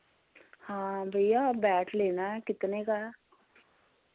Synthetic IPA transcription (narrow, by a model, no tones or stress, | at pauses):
hãːbʱəijabɛːʈʰleːnaɦɛkɪt̪nekaːɛ